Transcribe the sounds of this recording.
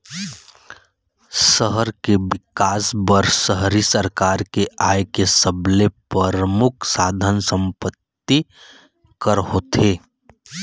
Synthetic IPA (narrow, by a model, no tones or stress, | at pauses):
səɦəɾkebɪkaːsbəɾsəɦɾisəɾkaːɾkeaːjkesəblepəɾəmʊkʰsaːd̪ʱənsə̃mpət̪ːi | kəɾɦoːt̪ʰeː